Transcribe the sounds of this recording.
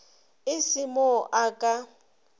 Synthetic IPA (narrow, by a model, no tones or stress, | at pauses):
ɪsɪmɔʔakʼa